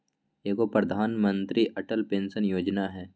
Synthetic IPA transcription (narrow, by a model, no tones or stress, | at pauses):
eːkopɾəd̪ʱaːnmə̃nt̪ɾiʔɐʈəlpẽːnsənjoːd͡ʒnaɦɛː